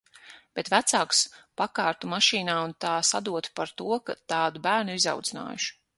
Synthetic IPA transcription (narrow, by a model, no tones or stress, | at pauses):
b̥et̪væt̪saːkspakaːɾt̪umaʃiːnaːunt̪aːsad̪uɔt̪paɾt̪uɔkat̪aːd̪ubæːɾnuiza̰wd̪zina̰ːjuʃ